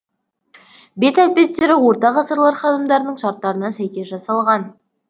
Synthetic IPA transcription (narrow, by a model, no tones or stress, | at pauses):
be̞t̪ælpe̞t̪ːe̞ɾɪwo̞ɾt̪ɑʁɑsəɾlˠɑɾχɑnəmd̪ɑɾənəɴʃɑɾt̪ːɑɾənɑsæjkʲe̞sʒɑsɑlˠʁɑn